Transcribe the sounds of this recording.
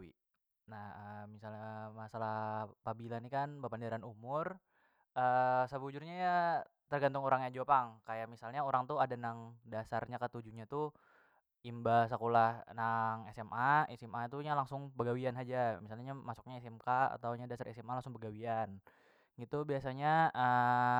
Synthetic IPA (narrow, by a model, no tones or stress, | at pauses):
ḭ | nahəmisalɲamasalahpabilanikanbapandaɾanumʊr | ʔəsəbud͡ʒurɲajat̪ərɡant̪uŋoɾaŋjaŋd͡ʒopaŋkajaʔmisalɲaoɾaŋt̪uadanaŋdasarɲakət̪ud͡ʒuɲat̪u | imbasakolahnaŋɛsɛmʔaisɪmat̪uɲalaŋsʊŋbəɡawianad͡ʒamisalɲamasu̥k̚ɲaisɪmkaa̰t̪awɲadasarɛsɛmalaŋsʊŋbərɡawian | ɡit̪ubiasaɲaə